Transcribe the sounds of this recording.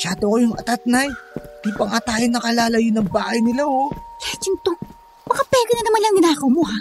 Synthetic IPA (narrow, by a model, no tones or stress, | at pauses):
ʃaːd̪okojʊŋɐ̰t̪at̪̚najt̪ipɐŋat̪aːjonɐkɐlaːlɐjʊnɐŋbaːhɐjnɪlaholat͡ʃɪŋt̪o | bɐkapɛːɡnɐnɐmanlɐŋɡɪnaːkomoɦa